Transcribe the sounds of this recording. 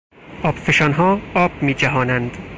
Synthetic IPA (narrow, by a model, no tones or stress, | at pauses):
ʔɒːb̥feʃɒːnɦɒːɒːb̥̚miːt͡ʃæɦɒːnænd̪